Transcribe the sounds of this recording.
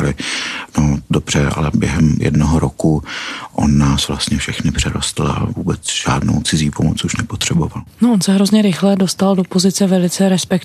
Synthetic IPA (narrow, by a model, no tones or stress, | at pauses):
lɪnodobr̝ɛa̰lɛbjɛ̰ɦɛmjɛ̰dnoɦoɾokuʔo̞̰nːaːsvla̰st̪ɲɛfʃɛxnɪpr̝̥ɛɾost̪l̩a̰vuːbɛt͡sʒ̥a̰ːdno̰wt͡sɪziːpomot͡suʃnɛpot̪r̥ɛbo̞valnoʔonsɛɦɾo̞zɲɛɾɪxlɛdo̞st̪aldo̞po̞zɪt͡sɛvɛlɪt͡sɛɾɛspɛk